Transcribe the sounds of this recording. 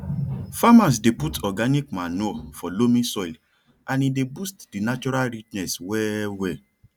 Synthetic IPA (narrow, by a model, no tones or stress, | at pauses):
famãs̬deputʰɔɡanik̚mãnuɔfɔlomĩsɔil | ãnĩdebustd̥inat͡ʃɔɾalɾit͡ʃnɛswɛwɛ